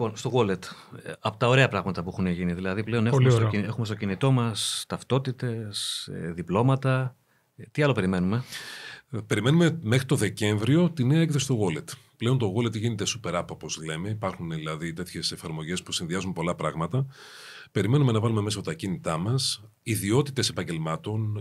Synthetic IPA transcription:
ipo̞nst̪o̞ɣo̞let̪ɐpo̞t̪ɐo̞ɾe̞ɐpɾɐɣmɐt̪ɐpuexuneʝiniðilɐðiple̞o̞nexulmsoe̞xume̞st̪o̞cinit̪o̞mɐst̪ɐft̪o̞t̪it̪e̞sḛðiplo̞mɐt̪ɐ | t̪iɐlo̞pe̞ɾime̞nume̞ | pe̞ɾime̞numeme̞xɾit̪oðe̞ce̞ɱvɾio̞t̪ineɐek̚θesi̥t̪o̞ɣo̞le̞t̪ple̞o̞nt̪o̞ɣo̞le̞t̪ʝine̞t̪e̞supe̞ɾɐpopo̞zle̞me̞ipɐɾxunðilɐðit̪e̞t̪çe̞se̞fɐɾmo̞ʝe̞spusinðiɐzunpo̞lɐpɾɐɣmɐt̪ɐpe̞ɾime̞nume̞nɐvɐlumemes̬ɐt̪ɐcinit̪ɐmɐs | iðio̞t̪it̪e̞sepɐɲɟe̞lmɐt̪o̞n

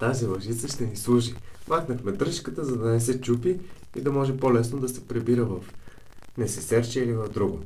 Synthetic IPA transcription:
t̪azilˠɐʒit̪səʃt̪ɛnislˠuʒimaxnəxmɛd̪ɾɤʃkət̪əzɐd̪ɐnɛs̬ɛt͡ʃupi | ḭd̪ɐmɔʒɛpolɛsnod̪ɐsɛpɾɛbiɾəvɐf | nɛsɛsɛɾt͡ʃɛilivɐvd̪ɾuɡo

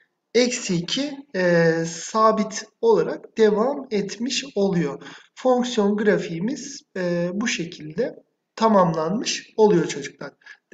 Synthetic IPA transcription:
ɛcsicʰi | saːbit̪ʰo̞lˠaɾak̚d̪̥e̞vamɛt̪miʃo̞lˠujo̞ | foŋksjo̞nɡɯɾafijmiz̥buʃe̞cʰilʲd̪ɛ | t̪ʰamamlˠanmɯʃo̞lˠujo̞t͡ʃʰo̞d͡ʒuk̚lˠaɾ̥

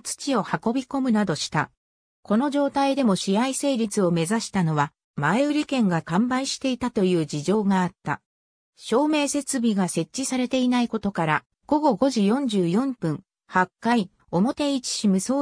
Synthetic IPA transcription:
t͡sɨ̥t͡ɕio̞hako̞bʲiko̞mɯ̟nad̪o̞ɕi̥t̪a | ko̞no̞ʑo̞ːt̪aid̪e̞mo̞ɕijaise̞ːɾʲit͡sɨo̞me̞zaɕi̥t̪ano̞β̞a | maeɯ̟ɾʲikẽ̞ŋɡakãmbaiɕi̥t̪e̞it̪at̪o̞jɯ̟ːd͡ʑiʑo̞ːɡaːt̪ːa̰ | ɕo̞ːme̞ːse̞t͡sɨbʲiɡase̞t͡ɕːisaɾe̞t̪e̞inaiko̞t̪o̞kaɾa | ɡ̥o̞ɡo̞ɡo̞ʑijõ̞ɲ̟d͡ʑɨːjõ̞mpɯ̟̃ŋ | hakːai | o̞mo̞t̪e̞it͡ɕi̥ɕimɯ̟so̞ː

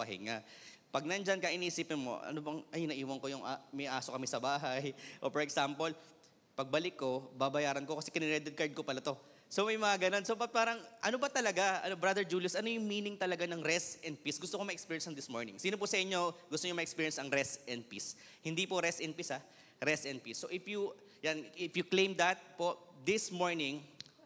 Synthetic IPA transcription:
ɐhɪ̰ŋaʔpɐɡ̚nɐnd͡ʒɐnkɐʔɪniːsiːpɪnmo̞̰ʔɐ̰nobɐŋʔɐjnɐʔiːwɐnkojʊŋʔamɐjʔaːsokɐmɛsɐbaːɦɐjʔopɛɹɛksampol | pɐɡ̚bɐlɪkːo̞babɐjaːɾɐnkokɐsɛkɪnɪɾɛd̪ɛd̪̚kɐɹd̪̚kopɐlat̪o̞ | so̞mɐjmɐŋaɡɐnonsopɐpaːɾɐŋʔɐnobɐt̪ɐlɐɡaɐ̰nobɾad̪ɛɹd͡ʒuːljʊsʔɐno̞jʊŋmiːnɪŋt̪ɐlɐɡanɐŋɾɛsɛnd̪̚pisɡʊst̪okomɐʔɛkspiːɹjɛnsɐnd̪ɪsmoɹnɪ̰ŋsiːnopʊsɐʔɪɲːo̞ɡʊst̪oɲomɐʔɛkspiːɹjɛnsɐŋɾɛsɛnd̪̚pis | hɪnd̪ipoɾɛsɛn̚pisa | ɾɛsɛn̚pisːo̞ʔɪfjʊ | janʔɪfjʊklẽjmd̪ɐt̪̚po̞d̪ɪsmoɹnɪŋ

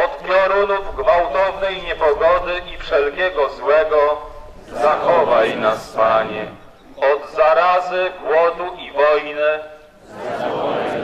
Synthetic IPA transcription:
ɔt̪kʲɛɾunuvɡvawt̪ɔvnɛjɲɛpɔɡɔd̪ɘʔifʂɛlkʲɛɡɔzwɛɡɔ | zaxɔvajnaspaɲɛ | ɔd̪zaɾazɘɡwɔd̪uʔivɔjnɘ

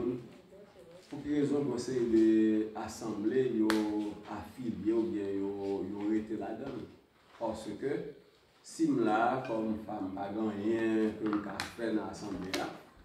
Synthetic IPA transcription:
pũkĩʁezɔ̃ɡɔ̃sejideasãblejoafiljeobjɛ̃jojoʁet̪eladãn | pasəkø | sim̩lakɔmfam̩paɡãjɛ̃køm̩̃kafɛnãasãblela

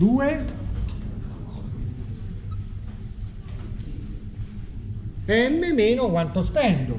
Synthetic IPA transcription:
d̪uːe | ɛmːemeːnokwant̪ospɛnd̪ʊ

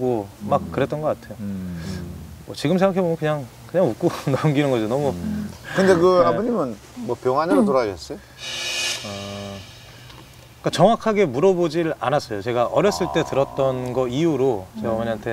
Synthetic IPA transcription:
ɡomakk͈ɯɾe̞t͈ʌnɡʌk͈atʰe̞jo | mwʌt͡ɕiɡɯmsʰeŋɡakʰe̞bomjonkɯɲaŋ | kɯɲaŋuk͈onʌmɡinɯnɡʌd͡ʑonʌmukɯnde̞kɯaboɲimɯn | mwʌpjʌŋanɾatoɾaɡes͈ʌjo | ʌ | k͈at͡ɕʌŋwakʰaɡe̞muɾʌbod͡ʑiɾa̰nas͈ʌjot͡ɕe̞ɡaʔʌɾjʌs͈ɯɭt͈e̞tɯɾʌt̚t͈ʌnɡʌiuɾot͡ɕeɡaʌmʌɲiɦantʰe̞

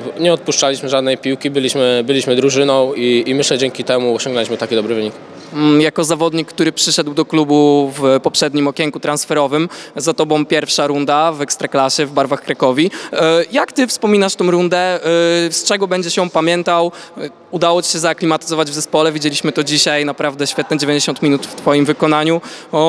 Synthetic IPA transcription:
ɲɛɔt̪̚puʂt͡ʂalʲiɕmɘʐad̪nɛjpʲiwkʲibɘlʲiɕmɘbɘlʲiɕmɘd̪ɾuʐɘnɔ̃w̃iːmɘɕlɛd͡ʑɛŋkʲit̪ɛmuɔɕɔ̃ŋɡnalʲiɕmɘt̪akʲid̪ɔbɾɘvɘɲik | jakɔzavɔd̪ɲikːt̪uɾɘpʂɘʂɛd̪wd̪ɔklubuvpɔpʂɛd̪ɲimɔkʲjɛŋkut̪ɾansfɛɾɔvɘmzat̪ɔbɔ̃w̃pʲjɛɾfʂaɾund̪avɛkst̪ɾaklaɕɛvbaɾvaxkɾakɔvʲijakt̪ɘfspɔmʲinaʂt̪ɔ̃w̃ɾund̪ɛst͡ʂɛɡɔbɛɲd͡ʑɛɕjɔ̃w̃pamʲjɛnt̪aw | ud̪awɔt͡ɕi̥ɕɛzaklʲimat̪ɘ̥zɔvad͡ʑvzɛspɔlɛvʲid͡ʑelʲiɕmɘt̪ɔd͡ʑiɕajnapɾavd̪ɛɕfʲjɛt̪nɛd͡ʑevʲẽɲd͡ʑeɕɔ̃nt̪mʲinut̪ft̪fɔjimvɘkɔnaɲu

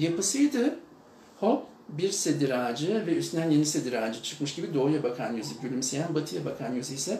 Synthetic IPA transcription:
japɯsɯjd̪ɯ | hop | biɾse̞d̪iɾaːd͡ʒɯvɛyst̪ynænje̞nise̞d̪iɾaːd͡ʒɯt͡ʃʰɯ̥kmɯʃɟ̥ibid̪o̞ːjabakʰanjyzibylʲymsejænbat̪ʰɯjabakʰanjyzijsɛ

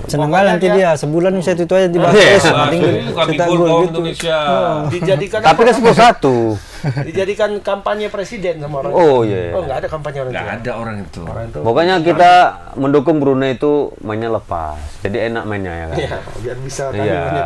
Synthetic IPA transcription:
sənəŋɡalant̪idijasəbulanisat̪̬uit̪uad͡ʒadibaasalɪŋit̪aɡuɡitndusiadid͡ʒadikant̪apikasəbulsat̪u | did͡ʒadikankampaɲapɾesidɛnsamaoɾaoijajaŋɡaːdakampaɲoɾaŋɡa̰adaoɾaŋit̪ṵbokaɲak̬it̪a | məndokʊŋbəɾunait̪umaɪnɲaləpa̰sd͡ʒadiena̰k̚maɪnɲa̰ja̰ka̰bianbisaija̰

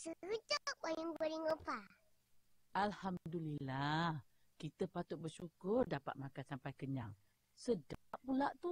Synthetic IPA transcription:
səəd͡ʒaajəŋɡəɾiŋopa | ʔalhamdulilah | kit̪əpat̪ʊt̪̚bəʃukʊrdapa̰t̪̚makansampajkəɲaŋ | sədaʔpulaʔt̪u

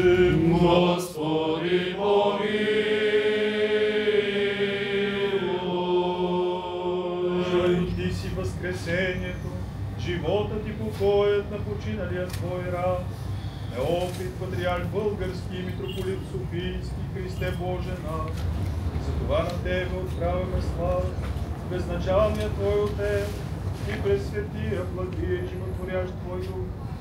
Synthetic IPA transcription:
ɡɔspɔdibɔɡi | əɐlʊt̪isivɐskɾɛsɛniɛt̪o | ʒivɔt̪ət̪ipokɔjət̪nɐpot͡ʃinəlijət̪vɔjɾan | nɐɔpit̪vɐd̪ɾianbɤlˠɡəɾskʲiimit̪ɾopolit̪sofijskʲixɾist̪ɛbɔʒɛnaszɐt̪ovanɐt̪ɛbɛot̪pɾavʲɐmɛsla | bɛznɐt͡ʃalˠnijət̪vɔjot̪ːɛ | ipɾɛsːvʲɛt̪iɾəblˠɐd̪ɾiʒimot̪voɾjaʃt̪vɔjɾu

